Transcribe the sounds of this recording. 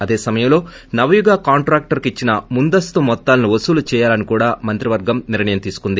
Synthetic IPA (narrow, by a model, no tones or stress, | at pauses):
ɐd̪e̞ːsɐmɐjɐmlo̞ː | nɐʋɐjuɡaːkaːɳʈɾaːk̚ʈɐɾkit͡ʃːinɐmund̪ɐst̪umɔt̪ːaːlɐniʋɐsulut͡ʃɛːjaːlɐnikuːɽaːmɐnt̪ɾiʋɐɾɡɐmniɾɳɐjɐmt̪iːsu̥kund̪i